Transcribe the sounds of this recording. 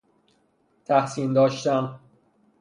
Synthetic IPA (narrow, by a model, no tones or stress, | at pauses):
t̪ʰæhsiːnd̪ɒːʃt̪æn